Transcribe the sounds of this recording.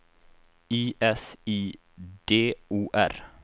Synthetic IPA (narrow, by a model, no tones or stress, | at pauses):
iːʔɛsiː | d̪̥eːuːʔæ̰ɾ